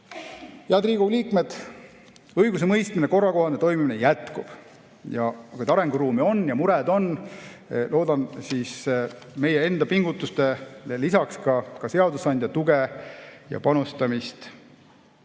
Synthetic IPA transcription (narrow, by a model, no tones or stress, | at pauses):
heɑd̪riːɡuliːkme̞d̪̥ | ɤjɡ̥us̬e̞mɤjst̪mine̞ko̞rːɑko̞ɦhɑnet̪o̞jmiminejæt̪kub̥ | jɑkujd̪ɑɾe̞ŋɡ̥uɾuːmio̞njɑmuɾed̪̥o̞n | lʔo̞ːd̪ɑnsis | me̞jee̞nd̪ɑpiŋɡut̪ːˑust̪e̞lisɑkskɑkɑse̞ɑd̪usɑnʲd̪̥jɑt̪uɡe̞jɑ̰pɑnust̪ɑmist̪